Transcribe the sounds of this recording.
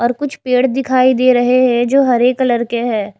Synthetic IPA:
ɔːɾkʊt͡ʃʰpeːɽd̪ɪkʰaːid̪eːɾɐɦeɦɛ̃d͡ʒoːɦɐɾeːkləɾkeɦɛ̃ː

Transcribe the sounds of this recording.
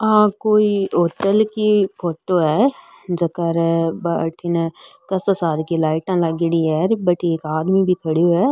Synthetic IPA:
ãːkoːioːʈəlkipʰoːʈoːɛː | d͡ʒəkəɾbaʈʰinkəsəsaːd̪kilaːɪʈãːləɡɪɽiːɛːɾbəʈikaːd̪miːbʱiːkʰəɽoɦɛː

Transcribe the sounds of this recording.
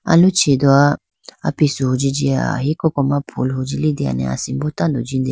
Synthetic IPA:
a̰lũt͡ʃʰid̪ɔa | apisuɦod͡ʒid͡ʒia̰ɦikɔkɔmãpʰulɦod͡ʒilid̪ia̰nɛ̰̃a̰simbot̪ãnd̪ɔd͡ʒĩnd̪e

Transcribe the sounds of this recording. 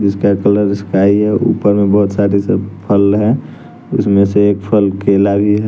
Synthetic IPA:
d͡ʒɪskakələɾɪskaiɦɛṵpəɾmebəɦʊt̪saɾisəpʰəlɦɛ̃ | ʊsmẽseːk̚pʰəlkelabʱiɦɛ

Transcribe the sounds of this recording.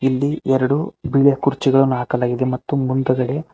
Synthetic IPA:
ilːiʔɛɾɐɽubiɭjɐkuɾt͡ʃiɡɐɭɐnːaːkɐlaːɡid̪e̞mɐt̪ːumund̪ɐɡɐɽe̞

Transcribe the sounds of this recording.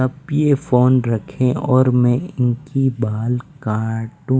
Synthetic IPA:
ɐbjefoːnɾɐkʰẽɔːɾmɛ̃ɪnkibaːlkaːʈũ

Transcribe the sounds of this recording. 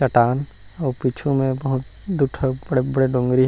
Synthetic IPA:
t͡ʃɐʈaːn | ɔːɾpiːt͡ʃʰũmẽbɐɦʊt̪ | d̪ʊʈʰbɐɽbɐɽeɖõːŋɡɾiɦ

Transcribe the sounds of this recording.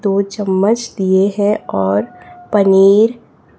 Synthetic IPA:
d̪oːt͡ʃəmːət͡ʃd̪ieɦɛ̃ɔːɾpɐniːɾ

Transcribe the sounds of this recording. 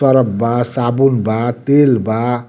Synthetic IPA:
ʌɾəbbasabunbat̪elba

